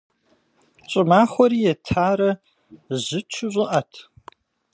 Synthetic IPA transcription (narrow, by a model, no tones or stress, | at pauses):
t͡ʃʼɪmaːχʷɔɾiːjɛtʰaːɾɐ | ʑɨt͡ʃʷʰʊʑʷʼɨʔɐtʰ